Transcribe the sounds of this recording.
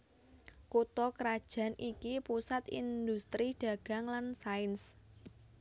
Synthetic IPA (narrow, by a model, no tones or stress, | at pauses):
kut̪ɔkɾad̥ʒ̥a̤nʔikipusat̪ind̪ust̪ɾiɖ̥ä̤ɡ̥a̤ŋlansaɪns